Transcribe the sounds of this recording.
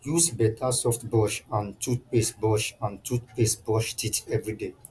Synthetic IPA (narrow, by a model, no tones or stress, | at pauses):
jusbɛtʰasɔftbɔʃãntʰut̚pesbɔʃãntʰut̚pesbɔʃtitʰɛvɹide